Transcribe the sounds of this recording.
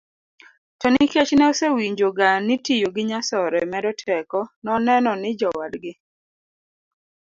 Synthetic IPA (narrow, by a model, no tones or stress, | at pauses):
tɔnɪket͡ʃnɛosewiɲd͡ʒoɡanɪtijoɡɪɲasɔɾɛmɛɾɔtʰɛkɔnɔnɛnɔnɪd͡ʒɔwadɡɪ